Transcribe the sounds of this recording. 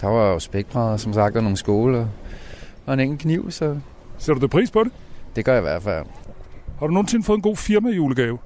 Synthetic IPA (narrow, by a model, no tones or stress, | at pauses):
d̥ɑ̈ʋɑ̈josb̥eɡ̥̚b̥ʰʁɑ̈ðˠsɒ̽msɑ̈ɡ̥d̥æno̝ːn̩sɡ̥o̝ːləɒ | ɒ̽e̝neŋn̩kʰniʊ̰sɒ̽ | sed̥udʰepʰʁḭːspʰɒ̽ɾe̝d̥e̝ɡ̥ɶɐjiʋæɐ̰d̥fæl̰ | hɑ̈ɾ̥uno̝ːn̩se̝nfɔ̽ːð̩ˠenɡo̝̰ːfiɐmæijuːləɡ̥ɛːʊ